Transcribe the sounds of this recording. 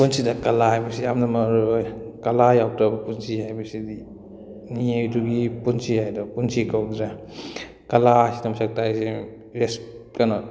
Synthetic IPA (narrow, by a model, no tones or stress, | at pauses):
punsidakɐlahajbɐsiamdamaɾojkɐlajaw̚tabɐpunsihajbɐsidi | niejduɡipunsihajdɔpunsikawɾa | kɐlasidamɐsak̚tajsi | ɾeskanɔ